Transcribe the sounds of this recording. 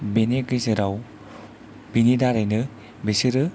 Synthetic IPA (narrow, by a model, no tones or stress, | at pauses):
benekɯzɯɾaw | binidaɾajnɯ | besɯɾɯ